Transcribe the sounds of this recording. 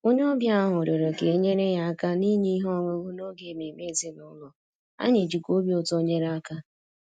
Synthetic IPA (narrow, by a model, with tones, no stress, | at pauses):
o˦ɲ˦ɔ˦bja˦ɦʊ˨ɾo˨ɾo˨ke˨˦ɲe˦ɾe˦ja˦a˦ka˦ni˦ɲi˦i˦ɦɔ˦˨ŋʊ˦ɡu˦no˦ɡe˨me˨me˦˨zi˦nʊ˨˦lɔ˨ | a̰˦ɲe˨d͡ʒi˨ko˦bjo˦to˦ɲe˦ɾa˦ka˦